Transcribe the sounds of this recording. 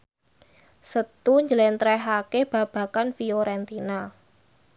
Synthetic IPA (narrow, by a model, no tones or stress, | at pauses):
sət̪uɲd͡ʒəlɛnt̪ɾɛɦakeb̥a̤b̥ä̤kanfioɾɛnt̪ina